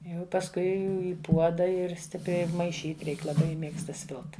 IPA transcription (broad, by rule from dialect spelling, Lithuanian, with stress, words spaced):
ˈjɛʊ pɐsˈkʊɪ ɪ ˈpuɔdɐ ɪr ˈsʲtʲɪpʲrʲɛɪ mɐɪˈʃʲiːt ˈrʲɛɪk lˠɐˈbɐɪ ˈmʲeːkstɐ ˈsʲʋʲɪlˠt